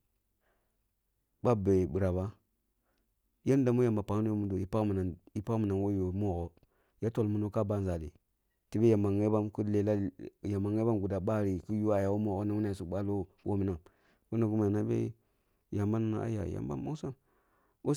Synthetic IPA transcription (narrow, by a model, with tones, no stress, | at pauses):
ba˦be˨ɓi˨ɾa˨ba˦ | ja˦n˦da˨mo˦ja˨mba˨pa˨ŋ˦o˦o˦mu˦do˨ji˨pa˦kmi˨na˨ni˦pa˦kmi˨na˨nwo˦jo˨˦mo˦˨ɣo˨ | ja˦to˨lmu˦no˦ka˦ba˦n˨za˨dḭ˨ | ti˦be˦ja˨ma˨ŋe˦ba˦mku˦le˨la˦ja˨mːa˨ŋe˦ba˦mɡu˨da˨ɓa˦˨ɾi˨ku˦ju˦a˨ja˨wo˦mo˨ɣo˦na˦wu˦na˨su˦ɓa˦lo˦ | wʔo̰˦mi˨na˨ŋ | ko˦na˨ɡu˦ma˨na˦bḛ˦ | ja˨mba˦nu˦na̰˨˦a̰˦ja̰˨ja̰˨mba̰˦mbo˦sa˦m | wo˦